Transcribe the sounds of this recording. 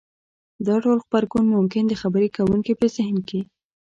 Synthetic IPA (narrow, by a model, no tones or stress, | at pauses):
d̪ɑʈolxpaɾkunmʊmkɪnd̪əxabəɾekawuŋkipəzɪhnke